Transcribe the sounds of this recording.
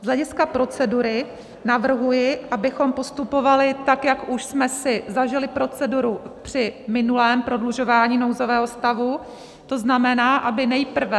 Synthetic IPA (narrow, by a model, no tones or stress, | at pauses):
zlɛɟɪskapɾo̞t͡sɛduɾɪ | navr̩ɦujɪʔabɪxo̞mpo̞st̪upo̞valɪt̪akjakuʃsmɛsɪzaʒɪlɪpɾo̞t͡sɛduɾupr̝̥ɪmɪnulɛːmpɾo̞dluʒo̞vaːɲiːno̞wzo̞vɛːɦo̞st̪avu | t̪o̞znamɛnaːʔabɪnɛjpr̩vɛ